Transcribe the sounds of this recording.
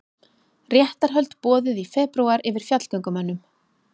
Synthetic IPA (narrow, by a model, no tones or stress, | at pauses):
rjɛht̪aɾ̥ɦœlt̪pɔːðʏðifɛːpɾuwaɾʔɪvɪɾ̥fjat̪l̥kœŋkʏmanːʏm